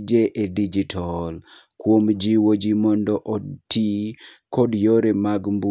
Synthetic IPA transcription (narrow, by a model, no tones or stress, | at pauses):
d͡ʒeʔedid͡ʒitʰɔl | kwomd͡ʒiwod͡ʒimɔndɔʔotikɔdjoɾemaɡmbu